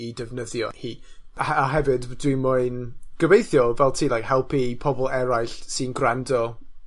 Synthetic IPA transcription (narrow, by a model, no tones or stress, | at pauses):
idɛvnəðjɔ̰hiaɦɛvɨddwimʊɨnɡ̥əvejθjɔvɛlˠtʰiːlˠajkhɛlˠpʰipʰɔbɔlˠɛɾajɬsɨnɡrandɔ